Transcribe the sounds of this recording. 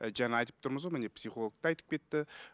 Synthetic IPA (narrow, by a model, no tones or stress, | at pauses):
d͡ʒænɑjt̪ə̥pt̪ʰʊɾməzʁomɪnepsiχolˠok̚t̪ɑɑjt̪ə̥p̚kʲʰe̞t̪ːɪ